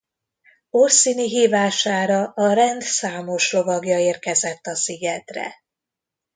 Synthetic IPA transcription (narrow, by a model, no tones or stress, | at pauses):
orsiːniɦiːvaːʃaːɾɒʔɒɾɛnd̪saːmo̞ʃro̞vɒɡjɒeːrkɛzɛt̪ːɒsiɡɛt̪rɛ̰